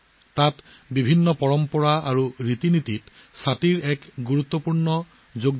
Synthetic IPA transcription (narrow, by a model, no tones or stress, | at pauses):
tatbibʱinːɔpɔɹɔmpɔɹaaɹuɹit̪inititsatiɹɛkɡuɹut̪ːɔpuɹnɔ | zoɡ